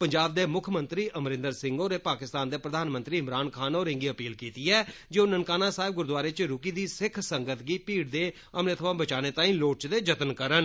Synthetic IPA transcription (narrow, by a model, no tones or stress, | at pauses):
pəɲd͡ʒaːb̚d̪eːmʊkʰmə̃nt̪ɾiːʔəmɾɪ̃nd̪əɾsɪ̃ŋɡoːɾeːpaːkɪst̪aːnd̪eːpɾəd̪aːnmənt̪ɾiːɪmɾaːnkʰaːnoːɾɪ̃ŋɡiːəpiːlkiːt̪iːɛːd͡ʒeːoːnənkaːnaːsaːɪb̚ɡʊɾd̪ʊaːɾeːt͡ʃɾʊkiːd̪iːsɪkʰsəŋɡət̪ɡiːpiːɽd̪eː | əmneːt̪ʰəʋãːbət͡ʃaːneːt̪ãːĩːloːʈ̚t͡ʃd̪eːd͡ʒət̪ənkəɾən